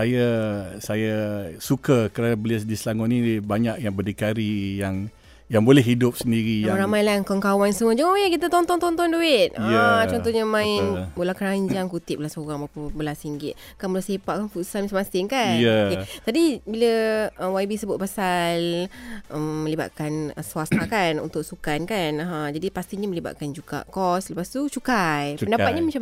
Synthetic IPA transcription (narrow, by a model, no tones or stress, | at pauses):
sajasajasukəkəɾanabəliasdisəlaŋʊnĩbaɲak̚jaŋbədikaɾijaŋ | jaŋbolɛɦidʊp̚səndiɾijaaɾamajlaŋkəŋkawansəməd͡ʒəŋoekit̪ət̪ɔnt̪ɔnt̪ɔnt̪ɔnduɪt̪̚at͡ʃɔnt̪ɔɲəmãɪnbolakəɾaɲd͡ʒaŋkut̪ɪp̚lasoɣaŋbapəbəlasiŋɡɪt̪̚ | kanbolahsepaʔkanfut̪sansəmasɪŋkanket̪adibiləəmwaibisəbʊt̪̚pasalʔəmːə̃liba̰ʔ̪̚kanəsəast̪akanṵnt̪ʊk̚sukankanɦəd͡ʒadipast̪iɲəmə̃liba̰ʔ̚kand͡ʒuɡa̰kɔsləpast̪ut͡ʃukajpəndapat̪̚ɲəmat͡ʃam